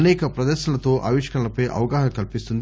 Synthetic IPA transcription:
nɛːkɐpɾɐd̪ɛːʃɐlɐt̪oːʔaːʋiʂkɐɭɐlɐpɐjʔɐ̰ʋɐɡaːɦɐkɐlpist̪und̪

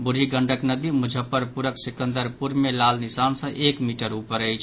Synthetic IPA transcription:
buɽ̤ʱiɡəɳɖʱəknəd̪imud͡ʒʱəpːəɾpuɾəksikə̃nd̪əɾpuɾmelalnisansə̃ʔekmiʈəɾupəɾəjt͡ʃʰ

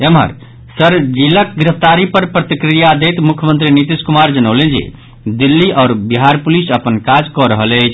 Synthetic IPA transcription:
emɦə̰ɾ | səɾd͡ʒilək̚ɡɾəpʰt̪aɾipəɾpɾət̪ikɾijad̪et̪mukʰjəmənt̪ɾinit̪iskumaɾd͡ʒənəʊlend͡ʒḛ | d̪ilːiʔɔːɾbiɦaɾpulisəpənkad͡ʒkɔɾəɦələt͡ʃʰ

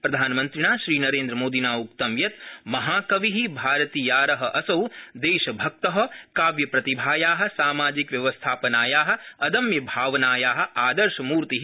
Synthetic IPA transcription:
pɾɐd̪ʱaːnɐmɐ̃nt̪ɾinaːʃɾiːnɐɾeːnd̪ɾɐmoːd̪inaːuk̚t̪ɐmjɐt̪mɐɦaːkɐʋiɦibʱaːɾɐt̪iːjaːɾɐɦɐʔɐsɐwd̪eːʃɐbʱɐk̚t̪ɐɦɐ̆kaːʋjɐpɾɐt̪ibʱaːjaːɦɐ̆saːmaːd͡ʒikʋjɐʋɐst̪ʰaːpɐnaːjaːɦɐ̆ɐd̪ɐmjɐbʱaːʋɐnaːjaːɦɐ̆aːd̪ɐɾʃɐmuːɾt̪iɦ

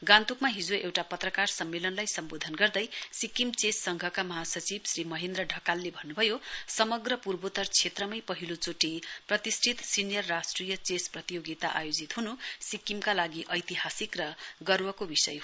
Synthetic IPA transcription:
ɡãnt̪ukmaɦid͡zoʔewʈapʌt̪rʌkarsʌmːelʌnlajsʌmbod̪ʱʌnɡʌrd̪ʌjsikimt͡sesːʌŋɡʱʌkamʌɦasʌt͡sibsrimʌɦend̪rʌɖʱʌkalːebʱʌnːubʱʌjosʌmʌɡrʌpurbot̪ʌrt͡sʰet̪rʌmʌjpʌɦilot͡soʈiprʌt̪isʈʰit̪sinijʌrːasʈrijʌt͡sesprʌt̪ijoɡit̪aʔa̰jod͡zit̪ɦunusikimkalaɡiʔʌjt̪iɦasikrʌɡʌrwʌkobisʌ̰j

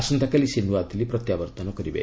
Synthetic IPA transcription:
sunt̪ɐkːɐlisend̪uʋaːt̪ːilːipɾɔt̪jaːʋɐɾt̪ɐnokɐɾibḛ

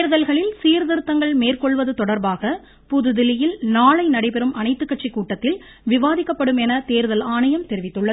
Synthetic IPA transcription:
t̪eːɾðɐlɣɐɭɪlsiːɾðɪɾɯt̪ːɐŋɡɐɭmeːrkɔɭʋɐðɯt̪ɔɽɐɾbaːɣɐ | pʊðɯðɪlɪjɪlnaːɭɐɪnɐɽɐɪpɛɾɯmɐnɐɪt̪ːɯkːɐʈt͡ʃːikːuːʈːɐt̪ːɪl | ʋɪʋaːðɪkːɐpːɐɽɯmɛnɐt̪eːɾðɐlaːnɐjɐmt̪ɛɾɪʋɪt̪ːɯɭːɐðɯ

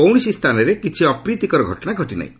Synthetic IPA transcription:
ɔwɳisist̪ʰanɔɾekit͡ʃʰiɔpɾit̪ikɔɾɔɡʱɔʈɔnaɡʱɔʈina̰j

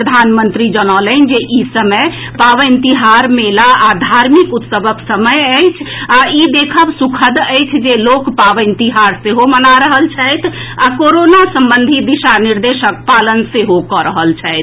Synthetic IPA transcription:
əd̪ʱanmənt̪ɾid͡ʒənɔlənd͡ʒeʔisəməj | paʋənt̪iɦaɾmelaad̪ʱaɾmikut̪səbəksəməjəjt͡ʃʰaid̪ekʰəbsukʰəd̪əjt͡ʃʰd͡ʒelokpaʋəɪnt̪iɦaɾseɦomənaɾəɦəlt͡ʃʰəjt̪ʰakoɾonasəmbənd̪ʱid̪iʃaniɾd̪eʃək̚palənseɦokɔɾəɦəlt͡ʃʰɛjt̪ʰ

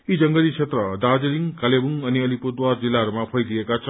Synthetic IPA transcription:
id͡zʌŋɡʌlit͡sʰet̪rʌd̪ad͡zeɾiŋkalebuŋʌniʌlipud̪ward͡zilːaɦʌɾumapʰʌjd̪iekat͡sʰʌ

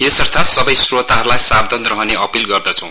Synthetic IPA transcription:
esʌrt̪ʰasʌbʌjsrot̪aɦʌɾulajsabd̪ʱʌnt̪rʌɦʌneʌpilɡʌrd̪ʌt͡sʰʌ̃w̃

